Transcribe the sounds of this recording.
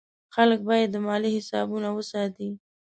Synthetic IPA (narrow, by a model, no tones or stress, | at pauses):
xalək̚bɑjad̪ːəmɑlihɪsɑ̰bunawəsɑt̪i